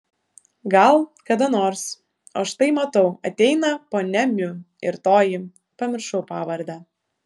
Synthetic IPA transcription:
ɡɐlˠkɐd̪ɐnoːɾs | ɐʃt̪ɐɪmɐt̪ɐʊɐt̪ʲɛɪnɐpoːnʲɛmʲʊ | ɪɾt̪oːjɪ | pɐmʲɪɾʃɐʊpɑːʋɐɾd̪ɑː

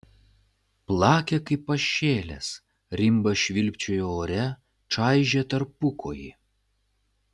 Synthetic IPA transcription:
plˠɑːkʲekɐɪpːɐʃʲːeːlʲḛs | ɾʲɪmbɐʃʲʋʲɪlʲpʲt͡ʃʲoːjooːɾʲɛ | t͡ʃɑˑɪʒʲet̪ɐɾpʊkʰo̰ːjḭ

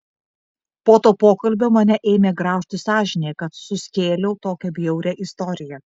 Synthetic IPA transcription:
poːt̪oːpoːkɐlʲbʲoːmɐnʲɛʔeːmʲeːɡɾɑˑʊʃʲt̪ʲɪsɑːʒʲɪnʲeːkɐt̪sʊsʲkʲeːlʲɛʊt̪oːkʲɛbʲjɛʊɾʲɛʔɪst̪ɔɾʲɪjɛ

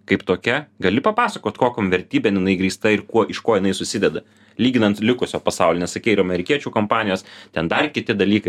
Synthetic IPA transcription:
kɐɪpt̪oːkʲɛɡɐlʲɪpɐpɑːsɐkoːt̪koːkʲoːmʋʲɛɾʲt̪ʲiːbʲɛnjɪnɐɪɡɾʲiːst̪ɐɪɾkuɔʔɪʃkoːjɪnɐɪsʊsʲɪd̪ʲɛd̪ɐ | lʲiːɡʲɪnɐnt̪lʲɪkʊsʲoːpɐsɑʊlʲɪnʲɛsɐkʲɛɪɪɾɐmʲɛɾʲɪkʲiɛt͡ʃʲuːkompɑːnʲɪjoːst̪ʲɛnd̪ɐrkʲɪt̪ʲɪd̪ɐlʲiːkɐɪ

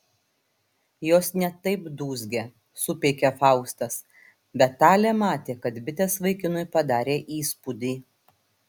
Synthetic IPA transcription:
joːsnʲɛt̪ɐɪbd̪uːzʲɡʲeː | sʊpʲeːkʲefɑˑʊst̪ɐs | bʲɛt̪ːɑːlʲɛːmɑːt̪ʲeːkɐt̪bʲɪt̪ʲeːsʋɐɪkʲɪnʊɪpɐd̪ɑːɾʲeːʔiːspʊd̪ʲiː

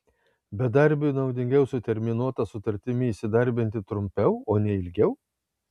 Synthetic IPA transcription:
bʲɛd̪ɐɾʲbʲʊnɐʊd̪ʲɪŋʲɡʲɛʊsʊt̪ʲɛɾʲmʲɪnuɔt̪ɐsʊt̪ɐɾʲt̪ʲɪmʲɪːsʲɪd̪ɐɾʲbʲɪnʲt̪ʲɪt̪ɾʊmʲpʲɛʊoːnʲɛɪlʲɡʲɛʊ

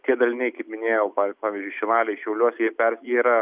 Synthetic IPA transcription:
t̪ʲiɛd̪ɐlʲɪnʲɛɪkɐɪpmʲɪnʲeːjɛʊpɑːpɑːʋʲiːzʲd͡ʒʲʊɪʃʲɪnɑːlʲɛɪʃʲɛʊlʲuɔsʲjiɛpʲɛrʲjɛiɾɐ

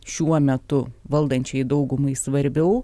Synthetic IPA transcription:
ʃʲuɔmʲɛt̪ʊʋɐlˠd̪ɐnʲt͡ʃʲɛɪd̪ɐʊɡʊmɐɪsʋɐɾʲbʲɛʊ

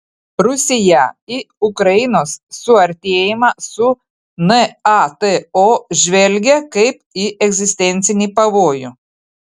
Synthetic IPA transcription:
ɾʊsʲɪjɛi | ʊkɾɐjɪnoːsːʊɐɾʲt̪ʲeːjɪmɑːsʊ | nɛɑt̪ɛoːʒʲʋʲɛlʲɡʲɛkɐɪpiʔɛɡʲzʲɪsʲt̪ʲɛnʲt̪sʲɪnʲiːpɐʋoːjʊ

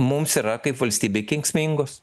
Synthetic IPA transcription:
mʊmsiːɾɐkɐɪpʋɐlʲsʲt̪ʲiːbʲekʲɪŋksʲmʲiŋɡoːs

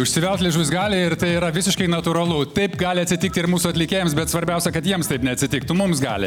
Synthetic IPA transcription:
ʊʃʲsʲɪʋʲɛlˠt̪lʲɪʒʊsɡɑːlʲɪɪɾt̪ɐɪiːɾɐʋʲɪsʲɪʃkɐɪnɐt̪uːɾɐlˠʊt̪ɐɪpɡɑːlʲɪɐt̪ʲsʲɪtʲɪk̚t̪ʲɪɾmuːsuɐtʲlʲɪkʲeːjɛmsbʲɛt̪sʋɐɾʲbʲɛʊsʲɛkɐt̪jiɛmst̪ɐɪpnʲɛɐtʲsʲɪt̪ʲɪk̚t̪ʊmʊmsɡɑ̰ːlʲɪ̰

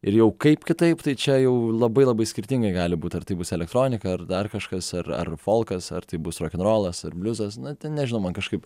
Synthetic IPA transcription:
ɪɾjɛʊkɐɪpkʲɪt̪ɐɪpt̪ɐɪt͡ʃʲɛjɛʊlˠɐbɐɪlˠɐbɐɪsʲkʲɪɾʲt̪ʲɪŋɡɐɪɡɑːlʲɪbuːt̪ɐrt̪ɐɪbʊsɛlʲɛkt̪ɾoːnʲɪkɐɐrd̪ɐrkɐʃkɐsɐrɐ̰rfoːlˠkɐsɐ̰rt̪ɐɪbʊsroːkʲɪnɾoːlˠɐsɐrbʲlʲʊzɐsnʊt̪ʲɛnnʲɛʒʲɪnʊmɐnkɐʃkɐɪp

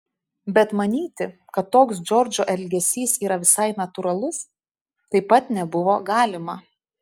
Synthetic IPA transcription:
bʲɛt̪mɐnʲiːt̪ʲɪ | kɐt̪ːoːksd͡ʒʲɔɾʲd͡ʒʲoʔɛlʲɡʲɛsʲiːsiːɾɐʋʲɪsɐɪnɐt̪ʊɾɐlˠʊs | t̪ɐɪpɐt̪nʲɛbʊʋoːɡɑːlʲɪmɐ

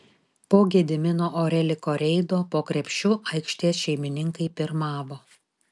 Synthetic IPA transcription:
poːɡʲed̪ʲɪmʲɪnoːʔoɾʲɛlʲɪkoːɾʲɛɪd̪oːpoːkɾʲɛpʲʃʲt͡ʃʲʊʔɐɪkʃʲt̪ʲiɛsʃʲɛɪmʲɪnʲɪŋkɐɪpʲɪɾmɑːʋoː

